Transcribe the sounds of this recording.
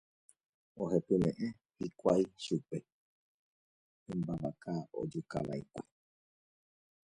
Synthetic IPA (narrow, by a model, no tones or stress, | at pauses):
oɦepɨmẽʔẽ | hikʷaiʃupe | ɨmbaβakao̰d͡ʒuka̰la̰ikʷa